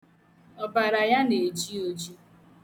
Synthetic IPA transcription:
ɔ˨ba˨ɾa˨ja˦ne˨d͡ʒi˦o˨d͡ʒi˦

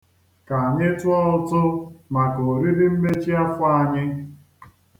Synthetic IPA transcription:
ka˨a˨ɲɪ˦tʊ˦ɔ˦ʊ˦tʊ˦ma˨ke˨o˨ɾi˦dɪ˦m̩˦me˦t͡ʃi˦a˦fʊ˦a˦˨ɲɪ˦

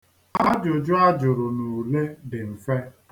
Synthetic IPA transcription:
a˦d͡ʒʊ˨d͡ʒʊ˦a˦d͡ʒʊ˨ɾʊ˨nu˨le˦dɪ˨m̩˨fe˦

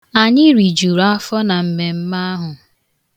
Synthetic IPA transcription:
a˨ɲɪ˦ɾi˨d͡ʒu˨ɾa˦fɔ˦na˨m̩˨me˨m̩˦ma˦ɦʊ˨

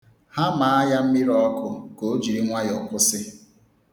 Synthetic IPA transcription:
ha˦ma˨a˦ja˦m̩˦mɪ˦ɾɔ˦kʊ˨ko˨˦d͡ʒi˨ɾi˦ŋʷa˦jɔ˨kʷʊ˦sɪ˦

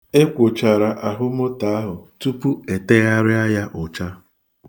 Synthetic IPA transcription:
e˦kʷo˨t͡ʃa˨ɾa˨ʔa˨ɦʊ˦mʊ˦ta˨˦a˦ɦʊ˨tu˦pu˦e˨te˦ɣa˦ɾɪ˦a˦ja˦ʔʊ˨t͡ʃa˦

